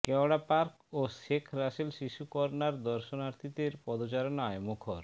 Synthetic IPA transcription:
kɛoɽapaɾk | oʃekʰɾaʃilʃiʃukɔɾnaɾd̪ɔɾʃonaɾt̪ʰit̪eɾpɔd̪ot͡ɕaɾonaemokʰoɾ

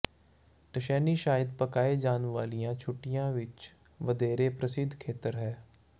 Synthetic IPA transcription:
ʈəʃɛːniːʃaːjɪd̪̚pəkaːeːd͡ʒaːnʋaːlijãːt͡ʃʰʊʈːɪjãːʋɪt͡ʃ | ʋəd̪eːɾeːpɾəsɪd̪ʱkʰeːt̪əɾɦɛː

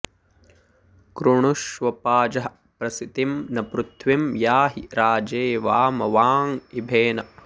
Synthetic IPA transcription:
kɾuɳuʃʋɐpaːd͡ʒɐɦɐ | pɾɐsit̪imnɐpɾut̪ʰʋimjaːɦiɾaːd͡ʒeːʋaːmɐʋaːŋibʱeːnɐ

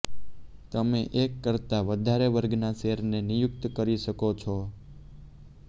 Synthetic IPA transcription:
t̪əmeʔekːəɾt̪aʋəd̪ʱaɾeʋəɾɡnaseɾnenijʊk̚t̪kəɾiʃəkot͡ʃʰo

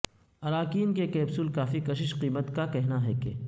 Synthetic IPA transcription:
ɐɾaːkiːnkekɛːbsulkaːfikɐʃ̬ɪʃqiːmət̪kakɛɦnaɦɛkḛ

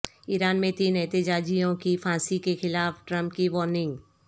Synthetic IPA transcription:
iːɾaːnmẽt̪iːnɛt̪ɪd͡ʒaːd͡ʒijõkifʰãːsikexɪlaːfʈɾə̃mpkiʋɔːɾnɪ̃ŋɡ

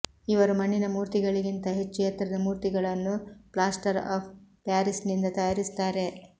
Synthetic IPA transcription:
iʋɐɾumɐɳːinɐmuːɾt̪iɡɐɭiɡint̪ɐɦe̞t͡ʃːjɐt̪ɾɐd̪ɐmuːɾt̪iɡɐɭɐnːuplaːsʈɐɾa̰ːpʰpaːɾisnind̪ɐt̪ɐjaːɾist̪aːɾe̞

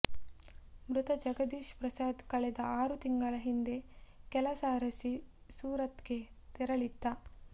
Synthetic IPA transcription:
mɾut̪ɐd͡ʒɐɡɐd̪iːʃpɾɐsaːd̪kɐɭɛd̪ɐaːɾut̪iŋɡɐɭɐɦind̪e̞kɛlɐsaːɾɐsi | suːɾɐt̪ɡe | t̪ɛɾɐɭid̪ːa

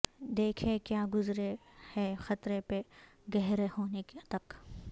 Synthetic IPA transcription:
d̪eːkʰẽkjaːɡʊzɾehɛːxɐt̪ɾepe | ɡɛɦɾehoːnekt̪ɐk

